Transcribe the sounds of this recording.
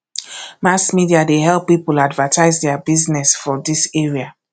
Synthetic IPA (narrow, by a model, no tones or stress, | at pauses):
masmidiadeɦɛlˠpːipuladvətʰaɪzdɛabiznɛsfɔdiseɹia